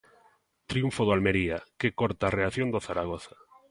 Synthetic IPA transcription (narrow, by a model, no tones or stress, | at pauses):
t̪ɾiuɱfoðoalmeɾiakekoɾt̪aːreaθjond̪oθaɾaɣ̞oθḁ